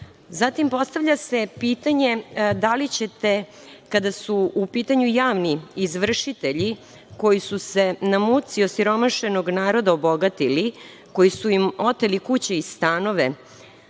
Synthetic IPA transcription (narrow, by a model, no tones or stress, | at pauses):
zat̪impo̞st̪aʋʎʲase̞piːt̪aɲe̞d̪alit͡ɕe̞t̪e̞ | kad̪asuupiːt̪aɲujaːʋniːzʋr̩ʃit̪e̞ʎi | ko̞jisuse̞namut̪siosiɾo̞maʃe̞no̞ɡnaːɾo̞d̪aobo̞ɡat̪ili | ko̞jisuimo̞t̪elikut͡ɕeist̪aːno̞ʋe̞